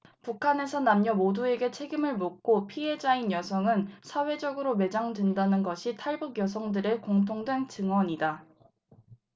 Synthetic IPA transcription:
pukʰane̞sʰʌnamɲʌmodue̞ɡe̞t͡ɕʰe̞ɡimɯɭmok̚k͈opʰie̞d͡ʑainjʌsʰʌŋɯnsʰawe̞d͡ʑʌɡɯɾome̞d͡ʑaŋdwendanɯnɡʌɕʰitʰaɭbuɡjʌs̬ʰʌŋdɯɾekoŋtʰoŋdwe̞ŋt͡ɕɯŋwʌɲida

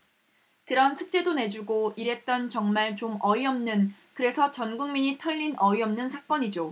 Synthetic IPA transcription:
kɯɾʌnsʰuk̚t͡ɕ͈e̞done̞d͡ʑuɡoiɾe̞t̚t͈ʌnt͡ɕʌŋmaɭt͡ɕomʌiʌmnɯn | kɯɾe̞sʰʌt͡ɕʌnɡuŋmiɲitʰʌʎːinʔʌiʌmnɯnsʰak͈ʌɲid͡ʑo

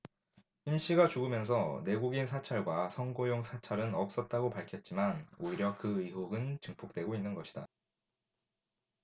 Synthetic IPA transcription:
çimɕ͈ʰiɡat͡ɕuɡɯmjʌnsʰʌne̞ɡuɡinsʰat͡ɕʰaɭɡwasʰʌŋɡojoŋsʰat͡ɕʰaɾɯnʌp̚s͈ʌt̚t͈aɡopaɭkʰjʌt̚t͡ɕ͈imanoiɾjʌkɯiɦoɡɯnt͡ɕɯŋpʰok̚t͈we̞ɡoinːɯnɡʌɕʰi̥d̥a

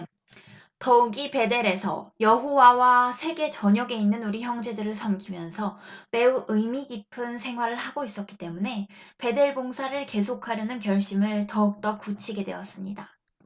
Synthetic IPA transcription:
tʌɯɡipe̞de̞ɾe̞sʰʌ̰jʌɦowawasʰe̞ɡe̞t͡ɕʌɲʌɡe̞inːɯnuɾiçjʌŋd͡ʑe̞dɯɾɯɭsʰʌmkʰimjʌnsʰʌme̞uʔɯmiɡipʰɯnsʰe̞ŋɦwaɾɯɭhaɡois͈ʌt̚k͈i̥t͈e̞mune̞pe̞de̞ɭboŋsʰaɾɯɭke̞sʰokʰaɾjʌnɯnkjʌɭɕ͈imɯɭtʌɯk̚t͈ʌk͈ut͡ɕʰiɡe̞dwe̞̰ʌs͈ɯmɲida

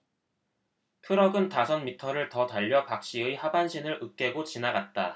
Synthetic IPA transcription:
tʰɯɾʌɡɯntasʰʌnmitʰʌɾɯɭtʌtaʎːʌpak̚ɕ͈iɯihabanɕʰinɯɾɯk̚k͈e̞ɡot͡ɕinaɡat̚t͈a

